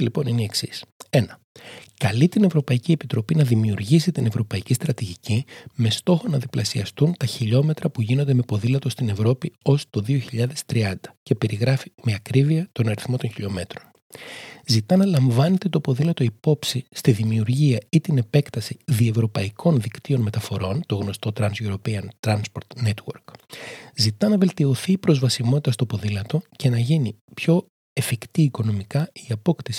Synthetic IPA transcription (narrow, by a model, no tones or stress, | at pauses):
lipo̞nineieksise̞nɐ | kɐlit̪ine̞vɾo̞pɐicie̞pit̪ɾo̞pinɐðimiuɾʝisit̪ine̞vɾo̞pɐicist̪ɾɐt̪iʝicime̞st̪o̞xo̞nɐðiplɐsiɐst̪unt̪ɐçiʎo̞me̞t̪ɾɐpuʝinond̪emepo̞ðilɐt̪o̞st̪ine̞vɾo̞pio̞st̪o̞ðioçiʎɐðe̞st̪ɾiɐnd̪ɐce̞pe̞ɾiɣɾɐfime̞ɐkɾiviɐt̪o̞nɐɾiθmo̞t̪o̞ɲçiʎo̞me̞t̪ɾo̞n | zit̪ɐnɐlɐɱvɐne̞t̪e̞t̪o̞po̞ðilɐt̪o̞ipo̞psist̪iðimiuɾʝiɐit̪ine̞pe̞kt̪ɐsiðie̞vɾo̞pɐikʰo̞nðikt̪io̞nme̞t̪ɐfo̞ɾo̞nt̪o̞ɣno̞st̪o̞t̪ɾɐnzjoɾo̞peɐnt̪ɾɐnspo̞ɾt̪net̪wo̞̰ɾkzit̪ɐnɐve̞lt̪io̞θiːpɾo̞zvɐsimo̞t̪it̪ɐst̪opo̞ðilɐt̪o̞ce̞nɐʝinipço̞ | e̞fikt̪iːko̞no̞mikɐiɐpo̞kt̪isi̥